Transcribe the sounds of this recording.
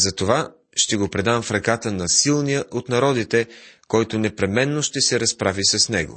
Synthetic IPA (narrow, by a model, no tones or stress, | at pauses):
zɐt̪ova | ʃt̪ɛɡopɾɛd̪amfɾɐkat̪ənɐsilˠnijəʔot̪nɐɾɔd̪it̪ɛkɔjt̪onɛpɾɛmɛnːoʃt̪ɛsɛɾɐspɾavisɐsnɛɡo̰